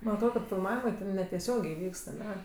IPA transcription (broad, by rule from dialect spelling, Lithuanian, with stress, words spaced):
mɐn ɐtˈroːt kɐt fʲɪlˠˈmɑːʋʲɪmɜ ˈtʲɛn nʲɛtʲɛˈsʲoːɡʲeː ˈʋʲiːkst ɐˈnʲɛ